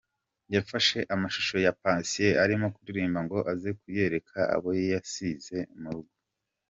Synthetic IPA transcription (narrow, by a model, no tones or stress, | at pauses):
jafaʃe̞ʔamaʃu̥ʃo̞japaːnsije̞aɾimo̞kuɾiɾiːmbaŋɡo̞ʔazekuje̞ɾe̞kʰaa̰βojejasize̞muɾuɡwo